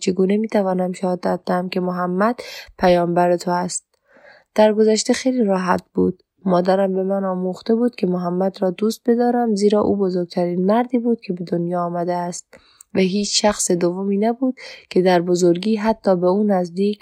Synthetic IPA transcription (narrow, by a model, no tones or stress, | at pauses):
t͡ʃʰeɡuːne̞miːt̪ʰævɒːnæmʃæhɒːd̪æt̪̚d̪ehæmkʲemoɦæmːæd̪̥pʰæjɒːmbæɾet̪ʰoæst̪̚ | d̪̥æɾɡo̞zæʃt̪e̞xejliːɾɒːɦæ̰t̪̚buːd̪̥ | mɒːd̪æɾæmbe̞mænɒːmuxt̪e̞buːd̪̥̚kʲʰe̞moɦæmːæd̪ɾɒːd̪uːst̪̚be̞d̪ɒːɾæmziːɾɒːʔṵːbo̞zoɾɡ̚t̪ʰæɾiːnmæɾd̪iːbuːd̪̥̚kʲʰe̞be̞d̪onjɒːmæd̪eæst̪̚ | væɦiːt͡ʃʃæxsed̪ovomiːnæbuːd̪̥̚kʰe̞d̪æɾbozoɾɡiːɦæt̪ʰːɒːbeuːnæzd̪iːk